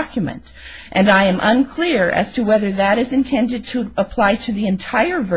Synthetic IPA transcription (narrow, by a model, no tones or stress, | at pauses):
kjmɨ̰̃nt | ʔɨ̃naɪɨ̃mʔʌ̰̃nkʰl̥ɪɹɨ̰z̥tʰɨwɛðə˞ðɨɾɨzɨ̃ntʰɛ̃ndɨd̚tʰɨəpʰl̥aɪɾɨðiɨ̃ntʰaɪə˞vɜ